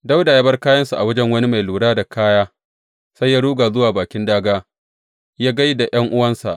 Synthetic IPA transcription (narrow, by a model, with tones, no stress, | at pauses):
da˦wda˨jaː˦bɐ˦rkaː˦jɐ˦nsu˨ʔa˨wɐ˦d͡ʒɛ˦ŋwɐ˦ni˦ma˨jluː˨ɽaː˦da˨kaː˦jaː˦ | sa˦jːaː˦ɽuː˦ɡaː˨zʊ˦waː˨baː˨kʲɪ˦ndaː˦ɡaː˦ | jaː˦ɡa˦jda˨j̰ʔɐ˦ŋʔʊ˦wɐ˦nsa̰˨ʔ